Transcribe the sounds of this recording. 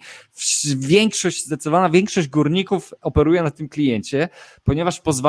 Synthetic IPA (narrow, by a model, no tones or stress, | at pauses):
fvʲjɛŋkʂɔɕd͡ʑsat̪sɔvanavʲjɛŋkʂɔʑd͡ʑɡuɾɲikufɔpɛɾujɛnat̪ɘmklʲijɛɲt͡ɕɛpɔɲɛvaʂpɔzv